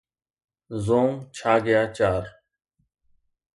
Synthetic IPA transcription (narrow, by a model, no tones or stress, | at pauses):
zõːŋt͡ʃʰaːɡəjaːt͡ʃaːɾ